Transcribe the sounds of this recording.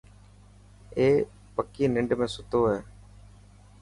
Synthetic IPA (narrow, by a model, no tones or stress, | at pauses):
eː | pəkiːnɪɳɖmẽːsʊt̪oːɦɛː